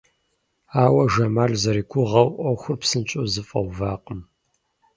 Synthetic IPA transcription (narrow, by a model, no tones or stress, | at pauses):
aːwɐʒɐmaːɮzɐɾiːkʷʰʊʁɐwʔɔxʷʊrpsɨnt͡ʃʼʊzɨfʼɐ̰wvaːqʼəm